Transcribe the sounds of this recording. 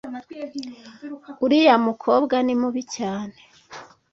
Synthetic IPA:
uɾijamukʰobɡanimuβicaːne

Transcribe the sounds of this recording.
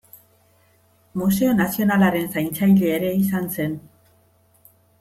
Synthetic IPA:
muse̞o̞nasio̞nalaɾe̞nsajnt͡sajleːɾe̞isanse̞n

